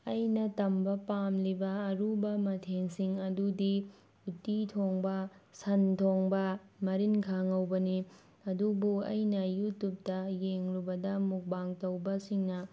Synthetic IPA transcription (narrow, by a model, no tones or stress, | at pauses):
ɐjnɐtɐmbɐpamlibɐːɾubɐmɐtʰeŋsiŋɐdudi | utitʰoŋbɐsɐntʰoŋbɐmɐɾinkʰaŋɐwbɐni | ɐdubuɐ̰jnɐjutup̚tɐjeŋɾubɐdɐmuk̚baŋtɐwbɐsiŋnɐ